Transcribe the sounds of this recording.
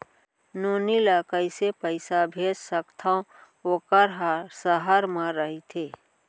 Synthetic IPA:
noːnilakəɪsepəɪsabʱeːd͡ʒsəkt̪ʰaõ | okəɾɦasəɦaɾmãɾəɦit̪ʰeː

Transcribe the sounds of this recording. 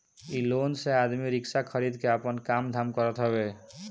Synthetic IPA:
ilonsead̪miɾikʃakʰəɾid̪keapɔnkamd̪ʱamkɔɾɔt̪ɦɔbe

